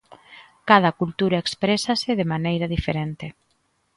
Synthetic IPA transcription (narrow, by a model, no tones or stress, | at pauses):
kað̞ɐkult̪uɾaekspɾesasɪðemanejɾɐðifeɾent̪ɪ